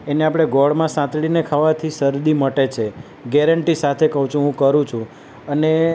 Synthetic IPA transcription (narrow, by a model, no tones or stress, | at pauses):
eneapɽ̃eɡɔɭmãsãt̪ɭinekʰaʋat̪ʰisəɾd̪iməʈet͡ʃʰe | ɡɛɾəɳʈisat̪ʰekəɦũt͡ʃʰũɦũkəɾũt͡ʃʰũ | əne